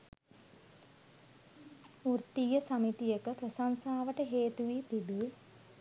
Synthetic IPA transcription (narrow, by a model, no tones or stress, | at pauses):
urt̪ijəsɐmit̪ijəkəpɾəsansaːʋəʈəɦeːt̪uʋit̪ibi